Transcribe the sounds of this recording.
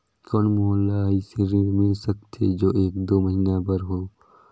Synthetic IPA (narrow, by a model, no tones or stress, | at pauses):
kɔnmoəlːaːiseɾeɾmɪlsək̚t̪ʰed͡ʒoːʔeːkd̪oːməɦiːnabəɾɦoː